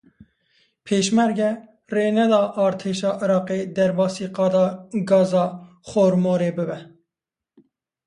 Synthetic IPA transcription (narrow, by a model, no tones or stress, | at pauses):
pʰeːʃmɛɾɡɛ | reːnɛd̪ɑːʔɑːɾt̪ʰeːʃɑːʔɪɾɑːqeːd̪ɛɾbɑːsiːqɑːd̪ɑːɡɑːzɑː | χoːɾmoːɾeːbɨbɛ